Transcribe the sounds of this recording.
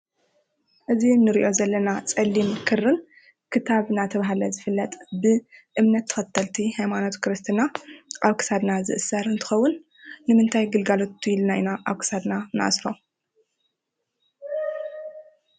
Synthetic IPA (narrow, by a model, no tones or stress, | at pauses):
ʔɨzinɨɾiʔo̞zɐlːɐnat͡sʼɐlːimkʰɨrɨn | kʰɨt̪ʰaβnat̪ʰɐβaɦalɐzɨfɨlːɐt̪ʼbɨʔɨmnɐt̪ʰːɐ̥xɐt̪ʰːɐlt̪ʰihajmanot̪kɾɨst̪ʰɨnaʔaβkʰɨ̥sad̪nazɨ̰ʔɨsɐɾɨnt̪ʰɨ̥xɐwːʊnː | ɨmɨnt̪ʰajɡɨlɡalo̞t̪ʰːujɪlnainaʔaβkʰɨ̥sad̪nanɨʔa̰sɾo̞